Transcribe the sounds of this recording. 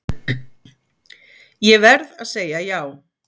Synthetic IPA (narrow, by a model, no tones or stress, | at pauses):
jɛvɛɾðaðseːjajaw